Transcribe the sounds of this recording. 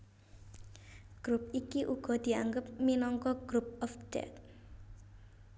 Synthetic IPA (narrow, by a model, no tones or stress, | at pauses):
ɡ̥ɾup̚ikiʔuɡ̥ɔ̤d̪̥i̤aŋɡəp̚minɔŋkɔɡ̥ɾup̚ɔfɖ̥ɛ̰t̪